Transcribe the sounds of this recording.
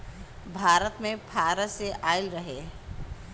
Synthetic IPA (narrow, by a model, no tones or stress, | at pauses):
bʱaːɾət̪mẽbʱaːɾəseʔaːɪlɾəɦeː